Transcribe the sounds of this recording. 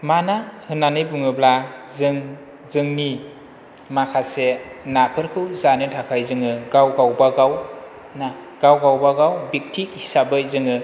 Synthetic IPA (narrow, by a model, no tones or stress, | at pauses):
manahɯnanɯjbuŋɯblazɯŋ | zɯŋni | makʰasenapʰɯɾkʰɯwzanɯtʰakʰajzɯŋɯɡawɡawbaɡaw | na | ɡ̥awɡawbaɡawbik̚tʰik̚hisabɯjzɯŋɯ